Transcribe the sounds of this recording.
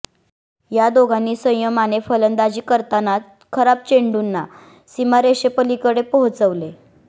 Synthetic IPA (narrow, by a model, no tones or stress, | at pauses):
jad̪oɡʱanːiːsə̃j̃jəmanefələnd̪ad͡ʑiːkəɾt̪ana | kʰəɾap̚t͡ɕeɳɖunːa | simaɾeɕepəlikəɽepoɦt͡səʋle